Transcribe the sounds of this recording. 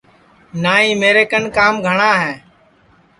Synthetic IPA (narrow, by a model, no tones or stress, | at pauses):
naːĩːmeːɾeːkənkaːmɡʱəɳaːɦɛː